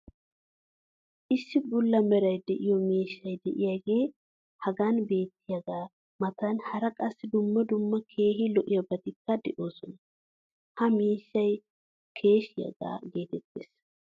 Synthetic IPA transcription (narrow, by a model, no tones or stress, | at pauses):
ʔɪsːɪbʊlːɐmɛɾɐjd̪ɛʔɪjɔmeːʃːɐjd̪ɛʔɪjaɡe̞ː | hɐɡaːnbe̞ːt̪ːɪjɐɡaː | mɐt̪ɐnhɐɾɐkʼɐsːɪd̪ʊmːɐd̪ʊmːɐkʰe̞ːɦɪlɔʔɪjɐbɐt̪ɪkːɐd̪ɛʔo̞ːsɔnɐ | hɐmeːʃːɐj | kʰe̞ːʃɪjɐ̰ɡa̰ːɡe̞ːt̪ɛt̪ːes